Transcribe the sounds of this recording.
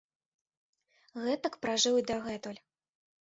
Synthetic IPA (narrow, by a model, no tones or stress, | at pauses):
ɣɛt̪ɐkpɾaʐɨwid̪ɐɣɛt̪ɔlʲ